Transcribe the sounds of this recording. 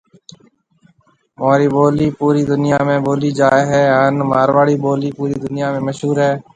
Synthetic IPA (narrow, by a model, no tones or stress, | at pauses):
moːɾiːɓoːliːpuːɾiːd̪ʊnɪjaːmẽːɓoːliːd͡ʒaːɦɛːəːnmaːɾʋaːɽiːɓoːliːpuːɾiːd̪ʊnɪjaːmẽːməʃɦuːɾɦɛː